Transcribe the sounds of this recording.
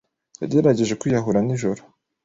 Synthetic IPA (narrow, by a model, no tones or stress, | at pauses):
ja̰deɾaɟe̞ʒe̞kwijaɦuɾaniʒoɾo